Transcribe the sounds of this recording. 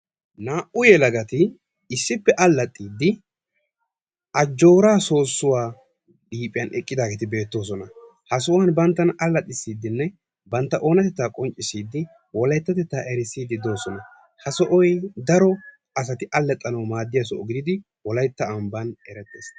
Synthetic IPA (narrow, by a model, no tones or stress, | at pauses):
naːʔʊjɛlɐɡɐt̪ɪ | ɪsːɪpːɛʔɐlːɐt̪ʼːiːd̪ːɪ | ʔɐd͡ʒːo̞ːɾaːso̞ːsːʊwaː | ɗiːpʼɪjɐnʔɛkʼːɪd̪aːɡeːt̪ɪbe̞ːt̪ːo̞ːs̬ɔnɐ | hɐsɔwɐnbɐnt̪ːɐnɐlːɐt̪ʼːɪsːiːd̪ːɪnːɛ | bɐnt̪ːɐʔo̞ːnɐt̪ɛt̪ːaːkʼɔnt͡ʃʼːɪsiːd̪ːɪ | wɔlɐjt̪ːɐt̪ɛt̪ːaːʔɛɾɪsiːd̪ɪd̪o̞ːsɔnɐ | hɐsɔʔɔjd̪ɐɾɔ | ɐs̬ɐt̪ɪʔɐlːɛt̪ʼːɐnɐwmaːd̪ːɪjɐsɔʔɔɡɪd̪ɪd̪ɪ | wɔlɐjt̪ːɐːmbɐnɛɾɛt̪ːḛːs